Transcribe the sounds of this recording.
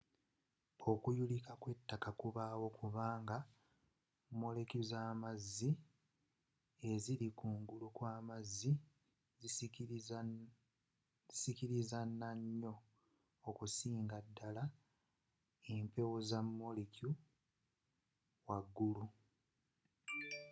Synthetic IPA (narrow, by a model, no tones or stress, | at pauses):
o̞kujulikakwe̞tːakakuβaːwo̞kuβaːŋɡa | mːo̞lekuzaːmazːi | e̞ziɾikuːŋɡulukwaːmazːi | sikiɾizanːaɲːo̞ː | kusiːŋɡadːala | empe̞wozamːo̞leku | waɡːulu